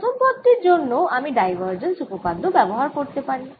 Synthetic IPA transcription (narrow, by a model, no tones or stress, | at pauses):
t̪ʰompɔt̪ːiɾd͡ʑonːoʔamiɖajbʱaɾd͡ʑensukopad̪ʱobɛboɦaɾkoɾt̪epaɾi